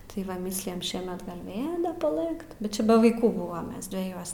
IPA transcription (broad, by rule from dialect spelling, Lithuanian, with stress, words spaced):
tɐɪ ˈʋɐ ˈmʲiːsʲlʲɪjɛm ˈʃʲiɛmʲɛt ɡɐlʲ ˈʋʲeːlˠ dɐ pɐˈlˠɘkt bʲɛt ˈt͡ʃʲɛ bʲɛ ʋɐɪˈkuː ˈbʊʋɐm ˈmʲɛs dʲʋʲɛˈjuɔs